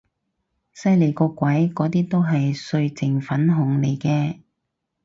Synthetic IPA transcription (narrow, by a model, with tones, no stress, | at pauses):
sɐ˥jle˨˩jkɔː˧kːwɐ˨˥jkɔː˨˥t̪iː˥t̪o˥wɦɐ˨jsɵ˧ɥt͡sɪ˨˩ŋfɐ˨˥nɦʊ˨ŋle˨˩jkɛː˧